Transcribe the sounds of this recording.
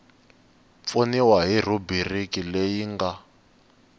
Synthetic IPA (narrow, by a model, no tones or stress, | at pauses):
p̪foniwaɦir̤ubirikilejiŋɡa